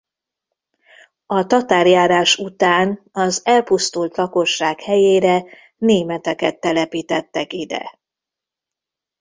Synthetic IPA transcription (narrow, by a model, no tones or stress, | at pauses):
ɒt̪ɒt̪aːrjaːɾaːʃut̪aːn | ɒzɛlpust̪ult̪lɒko̞ʃːaːkhɛjeːɾɛ | neːmɛt̪ɛkɛt̪ːɛlɛpiːt̪ɛt̪ːɛkid̪ɛ̰